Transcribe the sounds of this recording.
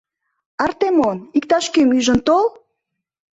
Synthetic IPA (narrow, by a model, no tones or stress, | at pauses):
ɑrt̪emonik̚t̪ɑʃkømyʒə̆nt̪ol